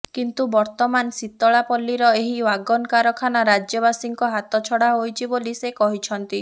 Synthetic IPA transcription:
kint̪ubɔɾt̪ɔmansit̪ːɔɭapɔlːiɾɔeɦiwaɡɔnkaɾɔkʰanaɾad͡ʒjɔbasiŋkɔɦat̪ɔt͡ʃʰɔɽaɦojt͡ʃʰibolisekɔɦit͡ʃʰɔnt̪i

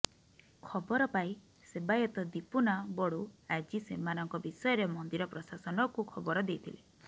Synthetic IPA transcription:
kʰɔbɔɾɔpai | sebajɔt̪ɔd̪ipunabɔɽuad͡ʒisemanɔŋkɔbisɔjɔɾemɔnd̪iɾɔpɾɔsasɔnɔkukʰɔbɔɾɔd̪ejt̪ʰile

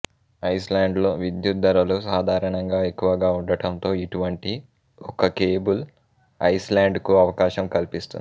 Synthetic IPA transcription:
ɐjslaːɳɖlo̞ːʋid̪jut̪̚d̪ɐɾɐlusaːd̪ʱaːɾɐɳɐŋɡaːekːuʋɐɡaːuɳɖɐʈɐnt̪o̞ːiʈuʋɐɳʈi | ɔkɐkeːbul | ɐjslaːɳɖkuɐʋɐkaːʃɐmkɐlpist̪un

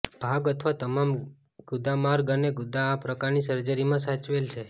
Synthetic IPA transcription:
b̥ʱaɡət̪ʰʋat̪əmam | ɡ̥ʊd̪amaɾɡəneɡʊd̪aːpɾəkaɾnisəɾd͡ʒəɾimãsat͡ʃʋelt͡ʃʰe

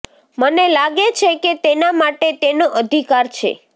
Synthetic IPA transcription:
mənelaɡet͡ʃʰeket̪enamaʈet̪enoʔəd̪ʱikaɾt͡ʃʰḛ

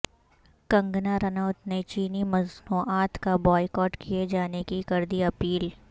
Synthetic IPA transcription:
kɐ̃ŋɡnaɾɐnəʊt̪net͡ʃiːnimɐznuːʔaːt̪kabɔːɪkɔːʈkʰied͡ʒaːnekikɐɾd̪iɐpiːl

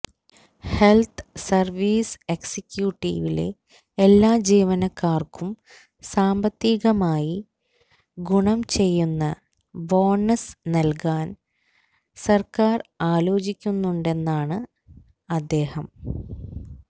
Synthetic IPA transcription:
helt̪ʰsɐrʋiːseksikʲjuːʈːḭːʋile̞̰ | elːaːd͡ʑiːʋɐnɐkːaːrkum | saːmbɐt̪ːiːɣɐmaːji | ɡuɳɐmt͡ɕe̞jːunːɐ | ʋoːɳɐsnɐlkaːn | sɐrkaːraːlo̞ːt͡ɕikʲːunːuɳɖe̞nːaːɳɨ | ɐd̪ːe̞ːhɐm

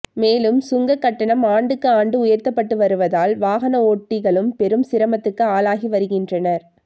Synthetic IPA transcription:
meːlɯmsʊŋɡɐkːɐʈːɐɳɐmaːɳɖɯkːɯaːɳɖɯʊjɐɾt̪ɐpːɐʈːɯʋɐɾɯʋɐðaːlʋaːɣɐnɐoːʈːɪɣɐɭɯmpɛɾɯmsɪɾɐmɐt̪ːɯkːɯaːlaːɣiʋɐɾɯɣɪndrɐnɐɾ

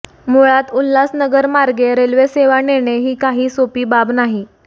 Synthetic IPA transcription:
moɭat̪ulːasnəɡəɾmaɾɡeɾelʋeseʋaneɽ̃eɦiːkaɦiːsopiːbabnaɦi

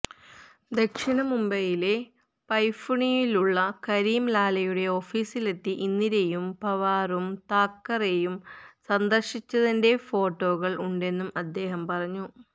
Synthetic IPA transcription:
d̪ekʂiɳɐmumbɐjile̞ | pɐjfuɳijiluɭːɐkɐɾiːmlaːlɐjuɽe̞o̞fiːsile̞t̪ːiʔinːiɾe̞jumpɐʋaːrumt̪aːkːɐrejumsɐnd̪ɐrʂit͡ɕːɐðinde̞fo̞ːʈːo̞ːɣɐɭuɳɖe̞nːumɐd̪ːe̞ːɦɐmpɐrɐɲːu

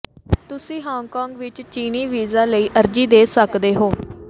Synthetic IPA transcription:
t̪ʊsĩːɦaːŋkɔːŋɡʋɪt͡ʃt͡ʃiːniːʋiːzaːləiːʔəɾd͡ʒiːd̪eːsəkd̪eːɦoː

